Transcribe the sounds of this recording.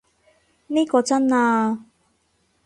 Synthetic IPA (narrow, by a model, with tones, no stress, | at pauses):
neː˥kɔː˧t͡sɐ˥naː˧